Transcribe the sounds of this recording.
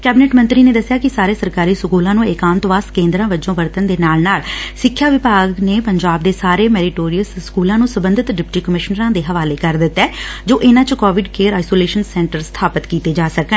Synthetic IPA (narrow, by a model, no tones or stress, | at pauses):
kɛːbɪnɛːʈmə̃nt̪ɾiːneːd̪əsːɪjaːkɪsaːɾeːsəɾkaːɾiːsʊkuːlãːnũːekãːnt̪oʋaskẽːnd̪ɾãːʋəd͡ʒõːʋəɾt̪ənd̪eːnaːlnaːlsɪkʰːjaːʋɪpaːɡneːpəɲd͡ʒaːb̚d̪eːsaːɾeːmɛːɾɪʈoːɾijəlsskuːlãːnũːsəbə̃nd̪ʱɪt̪ɖɪp̚ʈiːkəmɪʃnəɾãːd̪eːɦəʋaːleːkəɾd̪ɪt̪ːɛːd͡ʒoːʔɪnãːt͡ʃkɔːʋɪɖkeːɾaːisoːleːʃənsɛ̃ːɳʈəɾst̪ʰaːpət̪kiːt̪eːd͡ʒaːsəkə